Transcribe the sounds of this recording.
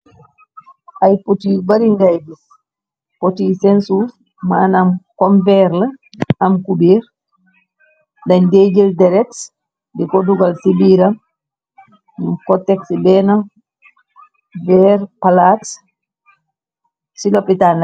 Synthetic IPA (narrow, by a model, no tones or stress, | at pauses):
ʔajpotiːbaɾiŋɡajbis | potisɛnsuɾ | manamkɔmvɛɾla | amkubiɾ | daɲded͡ʒildɛɾɛks | dikɔduɡalsibiːɾam | numkɔtːɛksibɛna | bɛɾpalats | silɔpitana